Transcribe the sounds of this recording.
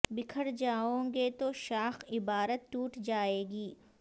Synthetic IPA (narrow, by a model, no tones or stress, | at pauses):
bɪkʰəɽd͡ʒaːõːɡet̪oʃaːxɪbaːɾət̪ːuːʈd͡ʒaːeːɡiː